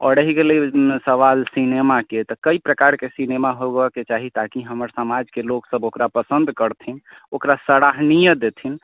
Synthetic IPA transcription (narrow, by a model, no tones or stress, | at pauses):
ɔːɾəɦiɡelisəʋalsinemaket̪ɔkəipɾəkaɾkesinemaɦoɡaket͡ʃaɦit̪akiɦəməɾsəmad͡ʒkeloksəbokɾapəsənd̪ʱkəɾt̪ʰinokɾasəɽaɦnijəd̪et̪ʰin